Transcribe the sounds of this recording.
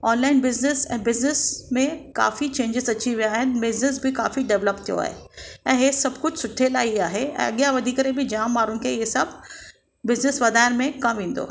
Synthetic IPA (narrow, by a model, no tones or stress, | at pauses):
ɔːnlaːɪnbɪznɪsɛ̰̃ːbɪznɪsmẽka̰ːfit͡ɕẽːɲd͡ʑɪzɐt͡ɕiʋijaːɦɪnɪbɪznɪs̬bɪka̰ːfiɖɛʋləpt̪ʰijo̰a̰ːɦḛɛ̃ːɦesɐbkʊd͡ʑʱsʊʈʰelaːiaːɦeɛ̰̃ːɐ̰ɠijaʋɐd̪ʱikɐɾebɪd͡ʑaːmːaːɾʊnɪ̆kʰeesɐb̚ | bɪznɪsʋɐd̪ʱaːɪɾmẽkɐmʋẽːn̆d̪o̰ː